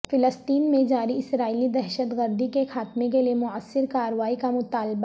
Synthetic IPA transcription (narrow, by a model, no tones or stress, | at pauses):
fɪləst̪iːnmẽd͡ʒaːɾiɪsɾaːiːlid̪ɛɦʃət̪ɡəɾd̪ikexaːt̪mẽk̬eliemʊəsːɪɾkaːɾʋaːikamʊt̪aːlba